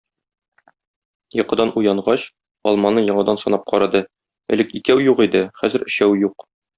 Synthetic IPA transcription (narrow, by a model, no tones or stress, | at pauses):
jɤ̆qɤ̆d̪ɑnʔujɑɴʁɑɕ | ɒlˠmɑnɤjɒɴɑd̪ɑnsɒnɑp̚qʰɒɾɑd̪ɤ | ɘ̰̆lɘkikæwjuqid̪ɘχæzɘ̆ɾɘ̆ɕæwjuq